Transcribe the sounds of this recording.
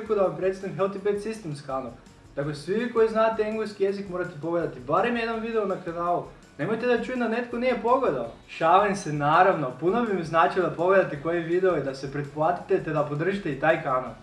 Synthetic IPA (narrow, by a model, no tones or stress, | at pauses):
kud̪aʋampɾe̞t̪sanikɦelt̪ipet̪sist̪emskanol | t̪aklesʋiʋiːko̞jiznaːt̪eeŋɡleskije̞zikmoɾat̪epoɡled̪at̪ibaɾemjed̪no̞mʋid̪e̞onakanaːlˠu | ne̞mojt̪ed̪at͡ʃujemd̪anet̪konije̞po̞ɡled̪ao | ʃaʋensenaːɾaʋno̞punobimiznaːt͡ʃilod̪apo̞ɡle̞d̪at̪eko̞jeʋid̪eoid̪ase̞pɾet̪̚plˠat̪i̥t̪et̪e̞d̪apo̞d̪r̩ʒit̪eit̪aːjkana̰lˠ